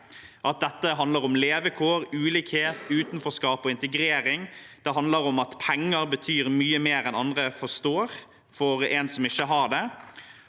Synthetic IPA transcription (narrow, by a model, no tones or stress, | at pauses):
ʔɑt̪̚d̪ɛt̪ːəɦɑnd̪ləɾɔmleːʋəkʰoːɾʉːliːkheːt̪ʉːt̪nfɔskɑːpɔɪnt̪ɛɡɾeːɾɪŋd̪̥ɛɦɑnd̪ləɾɔmɑt̪pʰɛŋːəɾbət̪ʰyːɾmyːəmeːɾɛnɑnd̪ʁəfɔst̪oːɾ | fɔɾensɔmɪçːəɦɑd̪ɛ